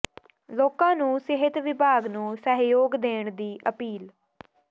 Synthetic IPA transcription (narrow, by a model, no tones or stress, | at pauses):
loːkãːnũːsɪɦɪt̪ʋɪbʱaːɡnũːsəɦjoːɡd̪eːɳd̪iːʔəpiːl